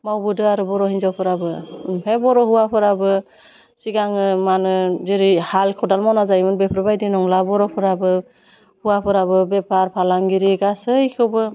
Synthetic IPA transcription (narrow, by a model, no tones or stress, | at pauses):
mawbɯdɯaɾubɔɾɔɦinzɔpʰɯɾabɯpʰebɔɾɔɦuwapʰɯɾabɯ | siɡaŋɯmanɯzeɾihalkʰɔdalmɔwnazajmɯnbepʰɾɔbajdinɔŋlabɔɾɔpʰɯɾabɯ | huwapʰɯɾabɯbɛpʰaɾpʰalaŋɡiɾiɡasɯjkʰɯbɯ